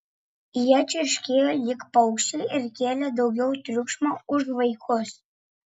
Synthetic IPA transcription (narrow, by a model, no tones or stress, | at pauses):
jɛːt͡ʃʲɪɾʲʃʲkʲeːjolʲɪkpɐʊkʃʲeʔɪɾkʲeːlʲɛd̪ɒʊɡʲɛʊt̪ʲɾʲukʃmoʊʒʋɐɪkʰʊs